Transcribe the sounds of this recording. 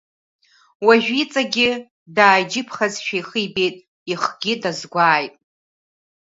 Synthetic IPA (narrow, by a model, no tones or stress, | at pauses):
waʒᶣit͡sʼaɡʲɪ | daːjd͡ʒɪpʰχazʃᶣajχijbe̞jtʼ | iχɡʲɪdazɡʷaːjtʼ